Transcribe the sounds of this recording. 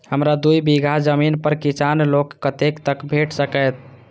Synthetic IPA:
həmɾad̪ujbiɡʱad͡ʒəminpəɾkisanlokːət̪ekt̪əkbʱeʈsəkəjt̪̚ʰ

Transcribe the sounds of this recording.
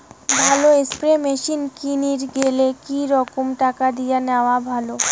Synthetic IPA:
bʱaloespɾemeʃinkiniɾɡelekiɾɔkomʈakad̪ijaneoabʱalo

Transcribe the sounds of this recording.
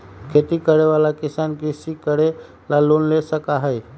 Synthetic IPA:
kʰet̪iːkəɽeʋalakisankisikəɽe | lalonlesəkaɦej

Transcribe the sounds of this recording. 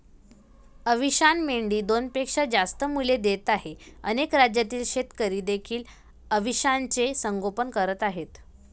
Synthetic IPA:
əʋiɕanmeɳɖiːd̪onpekʂad͡zast̪əmuled̪et̪aɦeənekɾad͡ʑjat̪iːlɕet̪kəɾiːd̪ekʰiːl | əʋiɕant͡sesəŋɡopənkəɾət̪aɦet̪

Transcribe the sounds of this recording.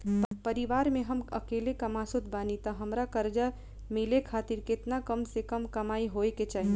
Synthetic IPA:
pəɾiʋaːɾmẽɦəməkelekəmasut̪̚ʰbaːnit̪əɦəmɾakəɾd͡ʒa | mɪlekʰaːt̪iɾkɪt̪nakəmsekəmkəmaːiɦoeket͡ʃaːɦi

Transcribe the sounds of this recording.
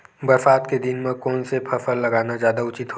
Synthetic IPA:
bəɾfaːt̪ked̪ɪnmẽkɔːnsepʰəfʰəlːɐɡaːnazjaːd̪aʊt͡ʃɪt̪ɦo

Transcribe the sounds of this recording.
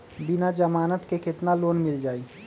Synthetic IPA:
bɪnad͡ʒəmaːnət̪kekɪt̪naloːnmɪld͡ʒaːi

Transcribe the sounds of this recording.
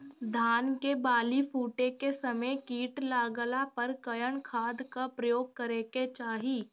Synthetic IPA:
d̪ʱaːnkebaːlipʰuːʈekesɐməjkiːʈlaːɡəlapɐɾkəjəɽ̃kʰaːd̪kapɾəjoːɡ̚kəɾeːket͡ʃaːɦiː

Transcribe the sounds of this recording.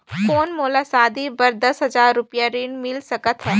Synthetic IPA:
foːnmoːlasaːd̪ibɐɾd̪ɐsɦɐzaːɾːʊpijaɾiːɳmɪlsɐkət̪ɦɛː

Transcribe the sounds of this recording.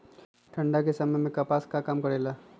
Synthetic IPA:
ʈʰɐ̃ɳɖakesɐməjmẽkɐpaːskakaːmkɐɾeːlaː

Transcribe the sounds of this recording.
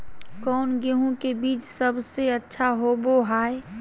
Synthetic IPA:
kɔːnɡeɦõkebiːt͡ʃsəbseətːʃʰaɦoboɦaːe

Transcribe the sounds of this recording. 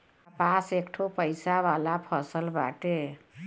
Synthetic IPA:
əpasekʈʰopəjsabalapʰəsəlba̰ʈe

